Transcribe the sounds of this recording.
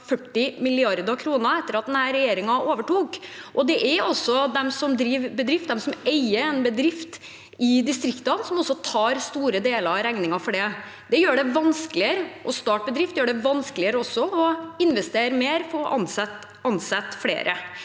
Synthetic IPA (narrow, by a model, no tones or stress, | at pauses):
fœʈːɪmɪlɪɑɾd̪ɑkʰɾuːnəɛt̪ːəɾɑt̪̚d̪ɛnhæːɾɛjeːɾɪŋɑʔoːʋəʈuːkʔɔd̪ɛʔɛɾɔsːɔd̪ɛmsɔmd̪ɾiːʋbəd̪ɾɪft̪̚d̪ɛmsɔmɛɪəɛnbəd̪ɾɪft̪ | ɪd̪ɪst̪ɾɪkt̪ɑnsɔmɔsːɔt̪ʰɑːɾst̪uːɾəd̪eːləɾɑɾæŋnɪŋɑfɔɖɛ | d̪ɛjøːɖɛʋɑnskəlɪəɾəʔɔst̪ɑːʈ̚bəd̪ɾɪft̪jøːɖɛʋɑnsklɪəɾəɔsːɔɔɪnʋɛst̪eːɾmeːɾfɔɾʔɑnsɛt̪ | ɑnsɛt̪ːflḛːɾʔə